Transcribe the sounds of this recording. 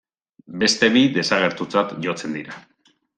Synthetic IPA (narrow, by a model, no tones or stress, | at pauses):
be̞st̪e̞βiðe̞saɣ̞e̞ɾt̪ut͡sat̪ʝo̞t͡se̞nd̪iɾa